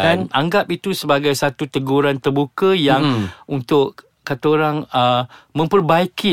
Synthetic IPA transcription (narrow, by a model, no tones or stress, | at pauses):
anʔaŋɡap̚it̪usəbaɡajsat̪ut̪əɡuɾant̪ərbukəjaŋunt̪ʊʔ | kat̪aoɾaŋəmə̃mpərbaiki